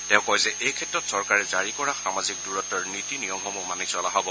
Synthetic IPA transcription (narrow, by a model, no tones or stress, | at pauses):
tɛ̃ʊ̃kɔjzɛʔejkʰɛtɹɔtsɔɹkaɹɛzaɹikɔɹaxamazik̚duɹɔtːɔɹnitinijɔmxɔmumanisɔlaɦɔbɔ